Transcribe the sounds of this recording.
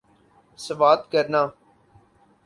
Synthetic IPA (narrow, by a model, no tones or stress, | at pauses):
səʋaːt̪kəɾnãː